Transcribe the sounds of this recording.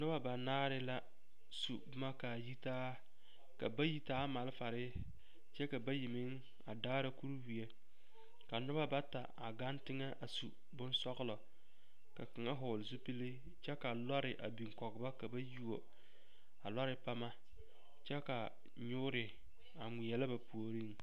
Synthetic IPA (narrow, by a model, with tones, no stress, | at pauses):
nʊ˦ba˦ba˨naː˦ɾɪ˦la˦ | su˨˦ma˦ka˨ji˦taː˦ | ka̰˨ba˦ji˦taː˦ma˨lfa˨ɾɪ˦ | t͡ʃɛ˦ka˨ba˦ji˨mɪ˦ŋ | a˨daː˦ɾa˦ku˦ɾwi˨e˦ | ka˨nʊ˦ba˦ba˦ta˨a˨ɡa˦ntɪ˦ŋɛ˦ʔa˨su˨ | bʊ˦nsɔ˦ɣlɔ˨ | ka˨kɪ˨ŋa˦ɦʊ˨lzu˦pi˦li˦ | t͡ʃɛ˦ka˨la˦ɾɪ˨ʔa̰˨bi˨ŋ˨kɔ˨ɡɪ˨ba˦ka˨ba˦ju˦o˨ | a˨la˦ɾɪ˦pa˦ma˦ | t͡ʃɛ˦ka˨ | ɲʊ˦ɾɪ˨ | a˨ŋʷi˨jɛ˨la˦ba˨pu˨o˨ɾi˦ŋ